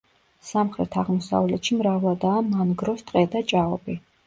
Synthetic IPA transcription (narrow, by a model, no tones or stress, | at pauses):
samχɾɛt̪ʰaʁmɔsa̰vlɛt̪ʃimɾavlˠad̪aːmanɡɾɔst̪ʼqʼɛd̪at͡ʃʼaɔbi